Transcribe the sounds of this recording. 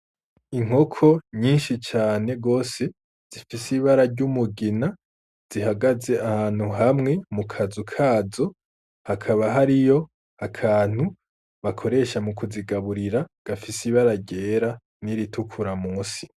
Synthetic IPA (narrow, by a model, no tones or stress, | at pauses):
iŋ̥ho̞kʰo̞ɲiːnʃit͡ʃaːne̞ɡo̞ːse̞ | z̥ifisiβaɾaɾɟumuɡina | z̥iɦaɡaze̞ahaːn̥huɦamŋe̞mukʰazukʰaːzo | hakʰaβaɦaɾijo̞ | akʰaːn̥hu | βakʰo̞ɾe̞ʃamukuziɡaβuɾiɾaɡ̥afisiβaɾaɾɟe̞ːɾa | niɾitʰukʰuɾamuːsi̥